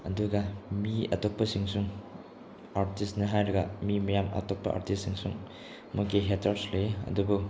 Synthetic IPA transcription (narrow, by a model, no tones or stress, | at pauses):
ɐduɡɐmiɐ̰topːɐsiŋsuŋ | aɾtisnɐɦajɾɐɡɐmimɐjamɐ̰topːɐʔa̰ɾtissiŋsuŋ | mukiɦetʰaɾsleɐ̰dubu